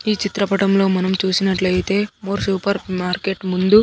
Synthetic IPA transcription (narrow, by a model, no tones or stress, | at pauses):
iːt͡ʃit̪ɾɐpɐʈɐmlo̞ːmɐnɐmt͡ʃuːsinɐʈlɐjit̪e̞ːmoːɾsuːpɐɾmaːɾke̞ʈmund̪u